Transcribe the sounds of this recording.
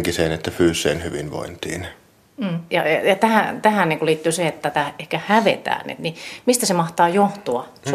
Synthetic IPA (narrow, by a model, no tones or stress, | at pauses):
ŋkiseːnet̪ːæfyːsːˑeːnhyʋinʋo̰int̪ḭːn̩ː | jɑ̰jɑjɑt̪æhæt̪æhænniːŋkuliːt̪ːyːseet̪ːæt̪æehkæhæʋḛt̪æ̰ːnḛt̪nimist̪æsemɑht̪ɑːjoht̪uɑ | s